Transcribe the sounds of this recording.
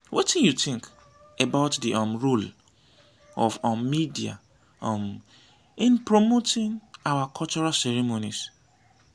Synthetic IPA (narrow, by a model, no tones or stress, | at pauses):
wʔetĩnjutɪ̃ŋk | ebaʊtdiʔɔmɹul | ɔfɔmmidia̰ | ɔm | ĩnpɹomotɪ̃ŋawakʰɔlt͡ʃɔɹalsɛɹimonḭs